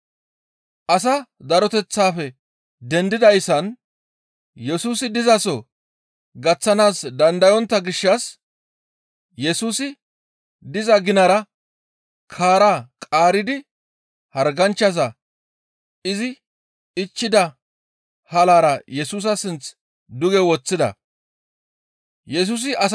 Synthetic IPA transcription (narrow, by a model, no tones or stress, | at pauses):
ʔɐs̬ɐd̪ɐɾɔt̪ɛt͡sːaːfɛ | d̪ɛnd̪ɪd̪ɐjsɐn | jɛsuːsɪd̪ɪzɐsɔ | ɡɐt͡sːɐnaːsd̪ɐnd̪ɐjɔnt̪ːɐɡɪʃːɐs | jɛsuːsɪ | d̪ɪzɐɡɪnɐɾɐ | kʰaːɾaːkʼaːɾɪd̪ɪ | hɐɾɡɐnt͡ʃːɐs̬ɐ | ɪzɪ | ɪt͡ʃːɪd̪ɐ | hɐlaːɾɐjɛsuːs̬ɐsɪnt͡s | d̪ʊɡɛwɔt͡sːɪd̪ɐ̰ | jɛs̬uːs̬ɪʔɐs